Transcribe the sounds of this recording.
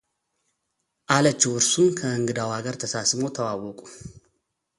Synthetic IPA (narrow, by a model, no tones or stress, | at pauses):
ʔalət͡ʃːɛwɨɾsunkʰəɨŋɡɨd̪awaɡəɾt̪ʰəsasmo̞t̪ʰəwawɔkʼu̥